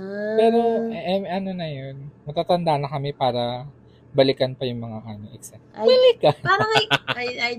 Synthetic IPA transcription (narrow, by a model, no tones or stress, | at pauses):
ppɛːɾo̞ɛmʔɐno̞nɐjonmɐt̪aːt̪ɐnd̪anɐkɐmɛpaːɾɐ | bɐlɪkɐnpɐjʊŋmɐŋaʔaːmɪŋʔɛksawɪlɪkɐpaːɾɐŋɐjaj